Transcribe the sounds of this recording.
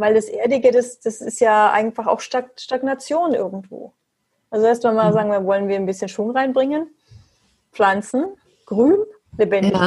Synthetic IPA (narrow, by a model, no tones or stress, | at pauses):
vaɪldasʔeːɐdɪɡədasd̥asɪstjaːʔa̰ɪɡŋ̩tfaχa̰ʊxʃtaʃtaɡnat͡sjoːnʔɪ̰ɐɡŋ̩tv̥o̰ː | ʔalzoɛɐstmanmazaːɡŋ̩viːɐvɔlənviːɐnbɪsçənʃvʊŋʁaɪnbʁɪŋən | p͡flant͡sn̩ | ɡ̥ʁyːn | lebɛndɪç